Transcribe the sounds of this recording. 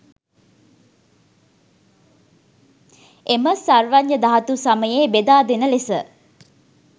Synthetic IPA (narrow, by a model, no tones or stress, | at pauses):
eməsarʋaɲjəd̪aɦat̪usaməjeːbed̪aːd̪enəlesə